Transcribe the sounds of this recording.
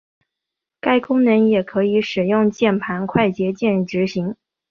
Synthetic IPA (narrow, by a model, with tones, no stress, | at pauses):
ka˥˩ɪkʊ˥ŋnə˧˥njɛ˨˩kʰɤ˧˥i˧˥ʂɻ̩˨˩jʊ˥˧ŋt͡ɕjɛ˥˩npʰa˧˥nkʰwa˥˩ɪt͡ɕjɛ˧˥t͡ɕjɛ˥˧nɻ̩˥˩ʈ͡ʂɻ̩˧˥ɕi˧˥ŋ